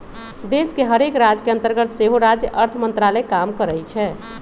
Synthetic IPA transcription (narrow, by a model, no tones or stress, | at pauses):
d̪eskeɦəɾekɾad͡ʒkeə̃nt̪əɾɡət̪seɦoɾad͡ʒjəʔəɾt̪ʰəmənt̪ɾalɛkamkəɾəjt͡ʃʰɛ